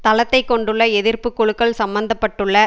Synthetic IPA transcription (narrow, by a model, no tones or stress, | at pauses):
t̪ɐlɐt̪ːɐɪkːɔɳɖɯɭːɐɛðɪrpɯkːɔɻɯkːɐɭsɐmbɐnd̪ɐpːɐʈːɯɭːɐ